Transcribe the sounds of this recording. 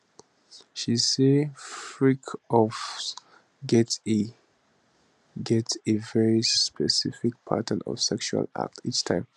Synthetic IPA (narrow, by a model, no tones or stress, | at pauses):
ʃisefɹikʰɔf | ɡɛte | ɡɛtevɛɹispʰɛsifɪk̚pʰa̰tə̃nɔ̰v̥sɛkʃua̰la̰k̚tʰit͡ʃtʰãɪ̃m